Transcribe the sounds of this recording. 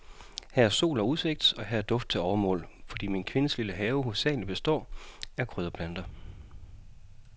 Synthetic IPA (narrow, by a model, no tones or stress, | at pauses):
hæɐso̝̰ːlɒuðˠse̝ɡ̥̚d̥sɒ̽ɦæɐd̥ɔ̽fd̥̚t͡sʰe̝ɒʊɐmɔ̰̽ːlfɒ̽d̥ḭːminkʰʋe̝nəsliləɦɛːʊho̝sɛ̰ːlib̥e̝sd̥ɒ̰ːæɐkʰʁøð̞ˠɐpʰlænd̥ɐ